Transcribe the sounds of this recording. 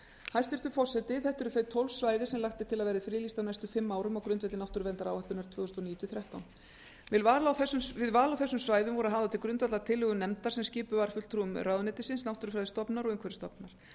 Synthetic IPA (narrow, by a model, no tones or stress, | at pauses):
hajst̪ɪɾt̪ʏfɔsːɛt̪ɪθɛht̪ʏɾʏθœɥt̪ʰowlsvaːjðɪsɛmlaxt̪ɪt̪ʰɪlaðvɛːɾɪfɾiːlist̪awnajst̪ʏfɪmːaːwɾʏmawkɾʏnt̪vɛt̪ɪnawht̪ʏɾvɛnt̪aɾaːwhɛt̪ʏnɾt̪v̥ʏːθʏst̪ɔniːt̪ʏθɾjaht̪awn | vɪlvaːɾlawθɛsʏɪðvaːlawθɛsːʏmsvaːjðʏmvɔɾʏaðɦaːvðat̪ʰɪlkɾʏnt̪vat̪lat̪ʰɪlhʏɣʏmnɛmt̪aɾ̥sɛmscɪːpʏvaɾ̥fʏt̪t̪ʰɾuʏmraːwðʏnɪt̪ɪsɪnsnawht̪ʏɾʏfɾajðɪst̪ɔpnaɾɔɣɪŋkʰvɛɾɪ̥st̪ɔpnaɾ̥